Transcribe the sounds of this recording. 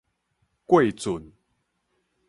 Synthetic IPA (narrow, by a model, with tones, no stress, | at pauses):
kwe˥˨ɪt͡su˨˩n